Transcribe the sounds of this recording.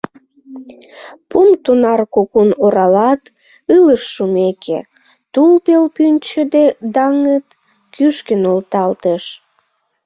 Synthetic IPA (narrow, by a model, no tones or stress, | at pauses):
pumt̪unɑrkokunoɾɑlɑt̪ | ɨləʃːumekʰḛ | t̪ulpelpynʲt͡ɕəd̪ed̪ɑŋət̪ | kyʃkənolt̪ɑlt̪eʃ